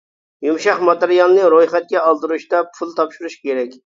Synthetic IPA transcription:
jumʃɑχmɑt̪ɨɾijɑlˠnɨɾojχɛt̪̚kʲɛɑlˠd̪ɨɾuʃt̪ɑpʰulˠt̪ʰɑpʃuɾuʃkʲeɾɛkʲ

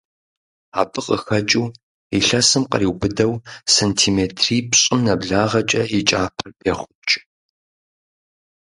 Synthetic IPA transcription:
aːbɨqʼəxɐt͡ʃʼuw | iɬɐsɨmqɐ̰riːwbɨdɐwsentʰiːmeːtʰriːpɕʼɪmnɐbɮaːʁɐt͡ʃʼɐit͡ʃʼaːpʰɐrpʰeːχʷʊt͡ʃʼɪ

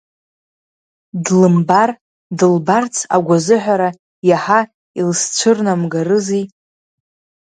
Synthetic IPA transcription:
dlɨmbar | dɨlbart͡sʰa̰ɡʷazɨħʷᶣaɾa | jaħa | ilst͡ʃʷʰɨrnamɡarɨzi

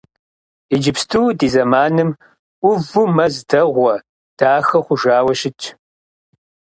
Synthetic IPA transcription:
id͡ʒɪpstʰɨwdiːzɐmaːnɨmʷ | ʊvumɐzdɐʁʷɔ | d̥aːxɐχʷʊʒaːwɐʃɪt͡ʃʼʰ

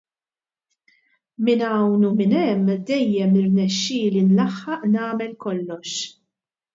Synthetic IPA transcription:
mɪnɐwnumɪnɛmːd̪ɛjːɛmɪrnɛʃːɪːlinlɐħːɐʔnɐːmɛlkɔlːɔʃ

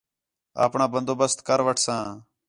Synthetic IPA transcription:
a̰ːpɳãːbənd̪oːbəst̪kəɾʋəʈʰsãː

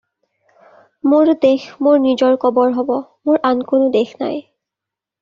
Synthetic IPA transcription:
moɹdexmoɹnizɔɹkɔbɔɹɦɔbɔmoɹʔankonʊdexʰna̰j

